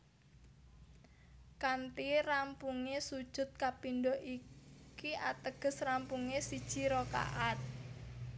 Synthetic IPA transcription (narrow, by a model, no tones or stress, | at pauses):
kant̪irampuŋesud̥ʒ̥ʊ̤t̪̚kapindoʔikiʔat̪əɡ̥ə̤srampuŋesid̥ʒ̥i̤ɾoka̰ʔat̪̚